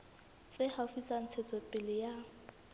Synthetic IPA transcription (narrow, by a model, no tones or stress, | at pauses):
t͡sʼɪhafit͡sʼan̩t͡sʰɛt͡sʰɔpʼɪlɪja